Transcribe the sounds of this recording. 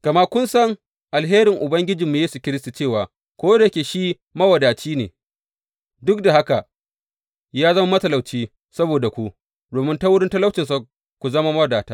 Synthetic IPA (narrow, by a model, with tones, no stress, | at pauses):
kɐ˨ma˦ʔkʷʊ˦nsɐ˦ŋ | ʔa˨lɦeː˦ɾɪ˨ŋʔʊ˨bɐ˦ŋɡʲɪ˦d͡ʒɪ˨mːu˨jeː˦su˨kʲɪ˦ɾɪ˦s̬tu˨t͡ʃeː˦˨waː˨ | kʷoː˦da˨˦kʲeː˨ʃiː˦ | mɐ˦wɐ˨daː˨t͡ʃiː˦neː˨ | dʊ˦k̚da˨ha˦ka˨ | jaː˦zɐ˦ma˦mɐ˦tɐ˨la˨wt͡ʃiː˦ | sɐ˦boː˨da˨kʷu˦ | doː˨mɪ˦nta˦wʊ˦ɽɪ˦ntɐ˦la˦wt͡ʃɪ˨nsa˨ | kʷu˨zɐ˦ma˦mɐ˦wdaː˨taː˦